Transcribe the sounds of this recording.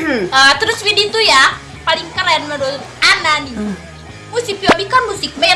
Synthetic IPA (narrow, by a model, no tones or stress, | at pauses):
ət̪əɾʊsfidit̪uja | palɪŋkəlanmado | anani | musɪpiobikanmusɪk̚mɛ